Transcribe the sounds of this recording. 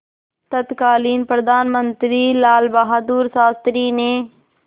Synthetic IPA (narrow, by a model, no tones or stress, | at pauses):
t̪ət̪kaːliːnpɾəd̪aːnmənt̪ɾiːlaːlbaɦaːd̪uːɾsaːst̪ɾiːneː